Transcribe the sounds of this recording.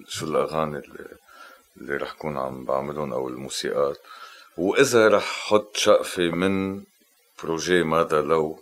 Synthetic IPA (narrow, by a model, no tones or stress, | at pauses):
ʃulʔaɣaːnil̰ | lːḭɾˤɑ̰ːħjkuːnʕa̰mba̰ʕmɪlʊnʔa̰wɪlmuːsḭːʔaːt̪wʔɪzaɾˤɑːħħʊt̪ˤːʃaʔfemɪn | pɾoʒemaːd̪alaw